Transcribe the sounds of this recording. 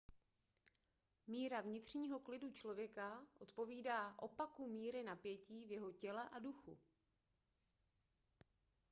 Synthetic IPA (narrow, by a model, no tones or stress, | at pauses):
miːɾavɲɪt̪r̝̥ɲiːɦo̞klɪdut͡ʃlo̞vjɛkaʔo̞t̪po̞viːdaːʔo̞pakumiːɾɪnapjɛciːvjɛɦo̞cɛlɛʔaduxṵ